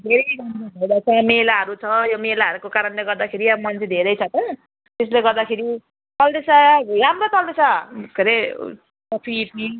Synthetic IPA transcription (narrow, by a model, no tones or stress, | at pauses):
d̪ʱeɾʌjɾʌnt͡sebʱʌjd̪at͡sʰʌmelaɦʌɾut͡sʰʌjomelaɦʌɾukokaɾʌnleɡʌrd̪akʰeɾiʌbʌmʌnt͡sʰed̪ʱeɾʌjt͡sʰʌt̪ʌ | t̪esleɡʌrd̪akʰeɾi | t̪ʌlɖesaɾamrot̪ʌldesakeɾe | sʌpʰipi